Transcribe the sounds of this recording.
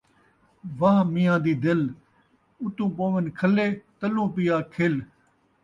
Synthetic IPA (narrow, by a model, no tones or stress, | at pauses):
ʋaːɦmɪjãːd̪iːd̪ɪl | ʊt̪ũːpoːʋɪnkʰəleːt̪əlũːpɪjaːkʰeːl